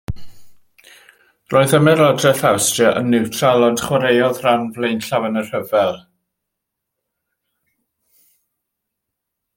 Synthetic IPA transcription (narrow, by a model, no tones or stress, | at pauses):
rʔoːɨðəmɛɾɔdrɛθawstrəʔə̰nːɪwtʰralˠɔnd̥χwaɾejɔðranvlejnɬavənər̥həvɛlˠ